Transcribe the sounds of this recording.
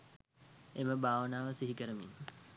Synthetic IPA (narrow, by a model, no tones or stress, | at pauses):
eməbʱaːʋənaːʋəsiɦikəɾəmḭn